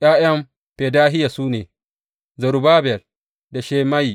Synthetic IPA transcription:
ʔj̰aː˦jɐ˦m | ɸe˨daː˦ɦɪ˦ja˨suː˦nḛː˨ | zɐ˨ɾu˨baː˦bɛ˨l | da˨ʃeː˦ma˦jiː˨

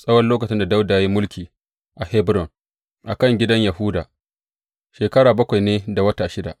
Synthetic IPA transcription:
sʼɐ˦wɐ˦lːoː˦kɐ˨t͡ʃɪ˦nda˨da˦wdaː˨ja˦ji˦mʊ˦lkʲiː˨ | ʔa˨hɛ˦bɾɔ˨ŋ | ʔa˨kɐ˦˨ŋɡʲɪ˦dɐ˦ɲja˨hʊ˦daː˨ | ʃeː˨kɐ˦ɽaː˨bɐ˦kʷa˨jneː˦da˨wɐ˦taː˨ʃɪ˦da̰˨ʔ

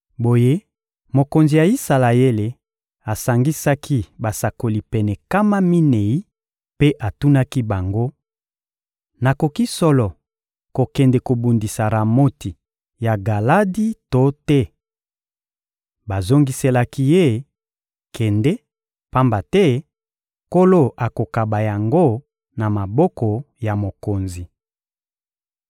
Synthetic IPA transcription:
bo˨je˦ | mo˨ko˨nzi˨ja˨i˦sa˨la˨e˦le˨ | a˨sa˨ŋɡi˦sa˦kʰi˦ba˨sa˨ko˨li˨pɛ˨nɛ˨ka˦ma˦mi˦ne˨i˦ | pe˦ʔa˨tu˦na˦ki˦ba˨ŋɡo˦ | na˨ko˨ki˦sɔ˦lɔ˨ | ko˨kɛ˨ndɛ˨ko˨bu˨ndi˨sa˨ɾa˨mo˦ti˨ | ja˨ɡa˨la˦di˦to˦tɛ˦ | ba˨zo˦ŋɡi˦se˦la˦ki˦je˦˨ | kʰɛ˨ndɛ˦ | pa˦mba˨tɛ˦ | ko˦lo˦ʔa˨ko˨ka˨ba˨ja˨ŋɡo˦ | na˨ma˨bɔ˦kɔ˨ | ja˨mo˨ko˨nzi˨

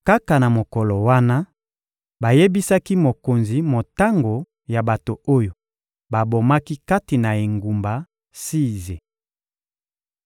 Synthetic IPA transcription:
ka˦ka˨na˨mo˨kɔ˨lɔ˨wa˦na˦ | ba˨je˦bi˦sa˦ki˦mo˨ko˨nzi˨mo˨ta˦ŋɡo˨ | ja˨ba˨to˨o˦jo˨ | ba˨bo˨ma˦ki˦ka˦ti˨na˨e˨ŋɡu˨mba˨ | si˦ze˨

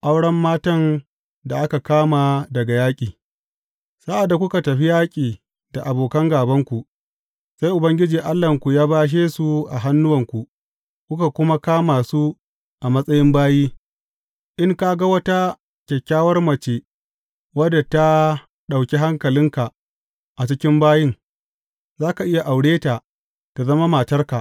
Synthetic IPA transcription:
ʔa˦wɽɐ˦mːaː˦tɐ˦n | da˨ʔa˦ka˨kaː˦ma˨dɐ˨ɡa˨jaː˦kʲʼiː˨ | sa˦ʔa˨dːa˨kʷʊ˦ka˨tɐ˨ɸi˦jaː˦kʲʼiː˨ | da˨ʔa˨boː˨kɐ˦ŋɡaː˨bɐ˦ŋkʷu˨ʔ | sa˦jʔʊ˨bɐ˦ŋɡʲɪ˦d͡ʒiː˨ʔa˦lːɐ˨ŋkʷu˨jaː˦baː˦ʃ̬eː˦su˨ʔa̰˨ɦa˦nːʊ˦wɐ˨ŋkʷu˨ | kʷʊ˦ka˨kʷʊ˦ma˦kaː˦maː˨su˦ | ʔa˨mɐ˦sʼɐ˦jɪ˦mbaː˦jiː˦ | ʔɪ˦ŋka˦ɡa˦wɐ˦ta˦ | kʲɛ˨kʲːaː˦wɐ˦rmɐ˨t͡ʃe˦ | wɐ˦dːa˨ta˦ | ɗa˨wkʲe˦ɦa˦ŋkɐ˨lɪ˦ŋka˨ʔ | ʔa˨t͡ʃɪ˦kʲɪ˦mbaː˦jɪ˦ŋ | zaː˦ka˨ʔɪ˦ja˨ʔa˨wɽeː˦ta˨ | ta˨zɐ˦ma˦ma˨tɐ˦rka˨ʔ

